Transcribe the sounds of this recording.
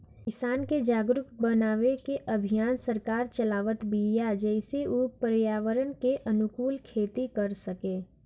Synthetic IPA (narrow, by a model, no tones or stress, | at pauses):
kɪsaːnked͡ʒaːɡɾʊk̪bənaːʋekeʔəbʱijaːnsəɾkaːɾt͡ʃəlaːʋət̪bijad͡ʒɛɪseupəɾjaːʋəɾənkeʔɐnʊkuːlkʰeːt̪ikəɾsəkeː